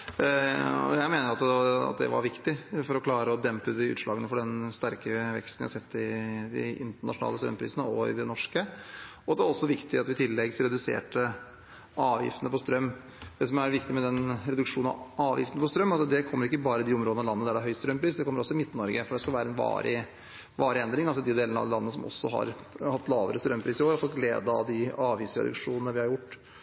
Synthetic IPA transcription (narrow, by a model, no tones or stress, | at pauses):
ɔ̰jæɪmeːnəɾɑt̪ɑ̰t̪̚d̪ɛ̰ʋɑ̰ɾʋɪkt̪ɪfɔɾɔkʰlɑːɾəɔd̪ɛmpəd̪ɪʉ̰ːt̪ʂlɑːɡənəfɔɖɛnst̪æɾkəʋɛ̰kst̪n̩æ̰ɪhɑsɛt̪ːɪd̪ɪ̰ɪ̰nt̪əɳɑʂʊnɑ̰ːləst̪ɾœ̰mːpʰɾḭːsənəɔɪ̰d̪ɛnɔʂkə | ɔd̪ɛʋæɾɔsːɔʋɪkt̪ɪɑt̪ʋɪt̪ʰɪlːɛɡsɾɛd̪ʉsḛːʈə | ɑːʋjɪ̰ft̪ənəpɔst̪ɾœmː | d̪̥ɛsɔmæɾʋɪkt̪ɪmɛd̪ɛnɾɛd̪ʉkʂuːnɑ̰ɑːʋjɪ̰ft̪ənəpɔst̪ɾœmːɑt̪d̪ɛkʰɔmːəɾɪkːəbɑːɾəɪd̪ɪɔmɾoːd̪nɑlɑnːəd̪æɖɛæɦœʏst̪ɾœmpʰɾiːsd̪ɛkʰɔmːəɾɔsːɔɪmɪt̪ːnɔɾɡəfɔɖɛskɑlʋæːɾəɛnʋɑ̰ːɾʔɪ | ʋɑːɾɪɛnd̪ɾɪŋɑlsɔd̪ɪd̪eːlənəɑ̰d̪lɑnːəsɔmɔ̰sːɔɦɑ̰ɾ | hɑt̪ːlɑːʋəɾəst̪ɾœmːpʰɾiːsɪoːɾfɔlɡleːd̪əɑ̰d̪ɪɑːʋjisɾɛ̰d̪ʉ̰kʂuːnnəʋɪhɑɾjʊʈː